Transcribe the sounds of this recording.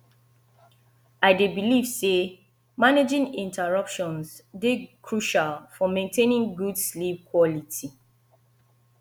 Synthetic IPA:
aɪdebiliv̥se | maned͡ʒĩŋĩntʰəɹʌpʃɔ̃nsdekʰɹuʃalfɔmẽntʰẽnĩŋɡudslip̚kʰwɔlitʰi

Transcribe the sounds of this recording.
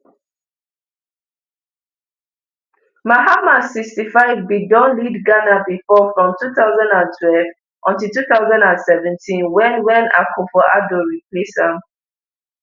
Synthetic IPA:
maɦamasistifaɪvbidɔ̃nlidɡanabifɔfɹɔ̃mtʰuθaʊzãndãntʰwɛlv | ʔɔ̃ntiltuθaʊzãndãnsɛvɛ̃ntʰĩnwɛ̃nwɛ̃na̰kʰɔfɔʔa̰dɔɹikʰlisãm

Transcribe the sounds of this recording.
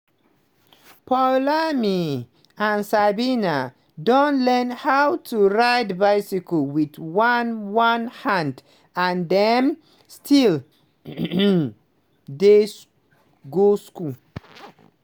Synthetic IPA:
pʰalami | ãnsabina | dõnlɛ̃nhawtʰuɹaɪdbaɪsikolwiðwãnwãnhãnd | ãndɛ̃m | stʰil | des | ɡoskul

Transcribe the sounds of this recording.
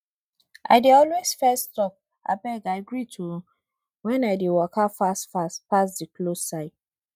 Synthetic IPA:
ʔa̰ɪdeɔlwesfɛstɔp̚ | a̰bɛɡaɪɡɹitʰu | wɛ̃naɪdewɔkafasfaspas̬diklosaɪt

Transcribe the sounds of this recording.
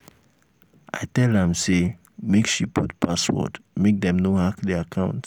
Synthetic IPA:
ʔa̰ɪtɛlɛ̃mse | mekʃipʰutpʰaswɔ̰dmek̚d̪ɛ̃mnohakdɛakʰãʊ̃nt

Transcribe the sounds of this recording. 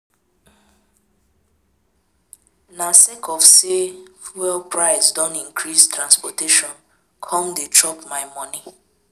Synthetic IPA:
nasekʰɔfsewɛlpɹaɪsdɔ̃nĩŋkʰɾistɾãnspɔteʃɔ̃n | kʰɔ̃mdetɔpmaɪmɔ̃ni

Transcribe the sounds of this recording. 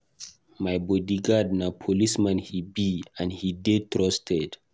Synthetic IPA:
majbɔdiɡad̚napʰolismãnhibiãnhidetɾɔstɛd

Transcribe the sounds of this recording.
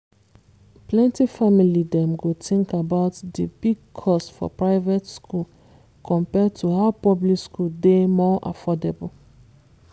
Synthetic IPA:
plɛ̃ntifamilidɛ̃mɡotʰĩŋkabaʊtdəbiɡ̚kʰɔstfɔ̰pɹaɪvetskʰul | kʰɔ̃mpɛd̚tʰuhaʊpɔblikskuldemɔʔa̰fɔdebl

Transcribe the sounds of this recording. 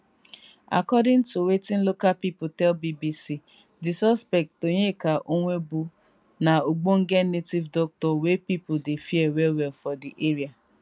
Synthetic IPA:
a̰kɔdɪ̃n̩tuwetin̩lokalpipʊtɛlbibisi | dɪsɔspɛk̚toɲekaʔoŋʷebu | naoɡ͡boŋ̩ɡenetivdɔk̚tɔwepipʊdefiewɛwɛlfɔdiʔeɾia

